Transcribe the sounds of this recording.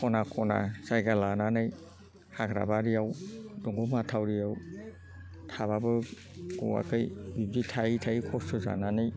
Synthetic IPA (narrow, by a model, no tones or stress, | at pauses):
kʰɔnakʰɔna̰sajɡalananɯj | hakɾa̰baɾiawdɔŋɡɔmatʰawɾiaw | tʰaβabɯ | ɡ̥ɔ̰wa̰kʰɯjbibditʰaitʰaikʰɔsɯza̰nanɯj